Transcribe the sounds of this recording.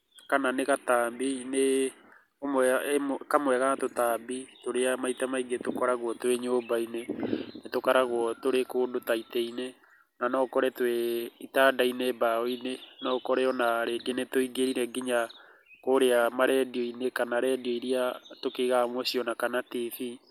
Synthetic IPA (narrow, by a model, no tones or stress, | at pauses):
kananeɣataːmbine | omwɛmkamwɛɣaatotambitoɾeamaitamaiɡetokɔɾaɣwɔtwɛɲobainenetokaɾaɣwɔtoɾekoːdotaitɛine | nanɔkɔɾɛtwɛitaːdainɛːbaɔinenɔːkɔɾɛɔnaɾeɡenetoiɡeɾiɾɛɡiɲa | koɾeamaɾɛdiɔinekanaɾɛdiɔiɾiatokeɣamwɔsiɔnakanatifi